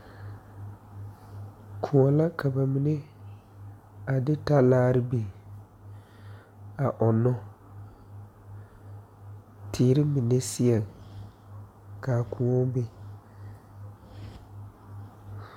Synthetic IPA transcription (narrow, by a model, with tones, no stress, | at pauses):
kʰʊ˨ɔ˨la˦kʰa˨ba˨mi˨ne˦ | a˨dɪ˦ta˦laː˦ɾɪ˦be˨ | a˨ʔɔ˨nɔ˦ | tʰiː˨ɾɪ˦mi˨ne˦si˦ɛ˨ŋ | kaː˨ku˨ɔ˦be˦